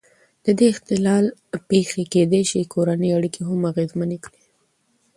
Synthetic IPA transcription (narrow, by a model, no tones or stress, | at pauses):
d̪̥əd̪eɪxt̪ɪlɑlpexeked̪eʃikoɾanəjaɽikiɦamaɣezmanekɽi